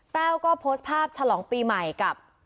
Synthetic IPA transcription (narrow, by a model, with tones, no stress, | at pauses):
t̪ɛː˥˩wkɔː˥˩pʰoː˦˥st̪̚pʰaː˥˩p̚t͡ɕʰa˧lɔː˩˦ŋpiː˧ma˨˩jka˨˩p̚